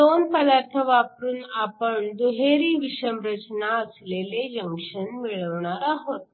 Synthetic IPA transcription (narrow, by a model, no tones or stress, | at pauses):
d̪onpəd̪aɾt̪ʰəʋapɾuːnapəɳd̪uɦeɾiːʋiʂəmɾət͡ɕnaəsleled͡ʑəŋkʂənmiɭəʋɳaɾaɦot̪